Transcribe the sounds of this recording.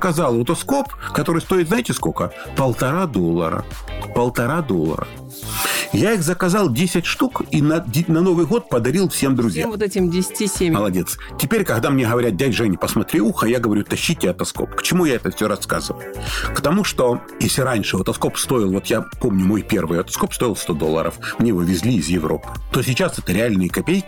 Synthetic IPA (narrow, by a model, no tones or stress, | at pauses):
kɐzalˠʊt̪ɐsko̞pkɐt̪o̞ɾɨjst̪o̞ɪt̪zaɪtʲɪskokə | pəlˠt̪ɐɾad̪o̞lˠːə̰ɾə̰pəlˠt̪ɐɾad̪o̞lˠːə̰ɾə̰ | jaixzəkɐzɑlˠdʲesʲɪtʲʂt̪ukinɐdʲnɐno̞vɨjɣo̞t̪̚pəd̪ɐɾʲilˠfsʲe̞md̪ɾʊzʲja̰t̪ɛtʲɪmdʲɪsʲtʲisʲeməlˠɐdʲe̞t̪s | tʲɪpʲeɾʲkɐɣd̪amnʲeɣəvɐɾʲat̪̚dʲætʲʐɛnʲɪpəsmɐt̪ɾʲiuxəjaɡəvɐɾʲut̪ɐɕːitʲɪɐt̪ɐsko̰pkə̥t͡ɕɪmujaɛt̪əfsʲoɾɐska̰zɨvə̰lˠʊkt̪ɐmuʂt̪o | jesʲlʲɪɾanʲʂɨɐt̪ɐsko̞pst̪o̞jɪlˠvo̞t̪japo̞mnʲʊmo̞jpʲervɨjɐt̪ɐ̥sko̞pst̪o̞ɪlˠst̪o̞d̪olˠːə̰ɾə̰fmnʲevɨvʲɪzʲlʲiːzjɪvɾo̞̰pɨ̥t̪o̞sʲɪt͡ɕasɛt̪əɾʲɪalʲnɨjəkɐpʲejkʲɪ